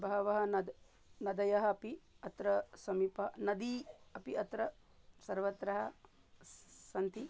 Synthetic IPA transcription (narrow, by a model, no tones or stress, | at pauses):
bʱɐɦɐʋɐɦɐnɐd̪ | nɐd̪ɐjɐɦɐɐpiɐt̪ɾɐsɐmipɐɦɐnɐd̪iɐpiɐt̪ɾɐ | sɐɾʋɐt̪ɾɐɦɐ | sɐnt̪i